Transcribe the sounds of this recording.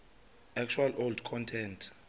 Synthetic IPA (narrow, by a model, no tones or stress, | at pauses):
ɛk̚t͡ʃʰualʔoldkʰɔntʰɛntʰ